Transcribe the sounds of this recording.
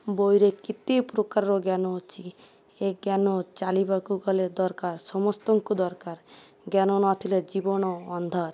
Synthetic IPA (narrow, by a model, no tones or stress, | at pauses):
bojɾekit̪ipɾokaɾɾoɡanot͡ʃʰi | eɡanot͡ʃalibakuɡɔled̪ɔɾkaɾsɔmɔst̪ɔŋkud̪ɔɾkaɾ | ɡanonɔt̪ʰiled͡ʒibɔnɔɔnd̪ʱaɾ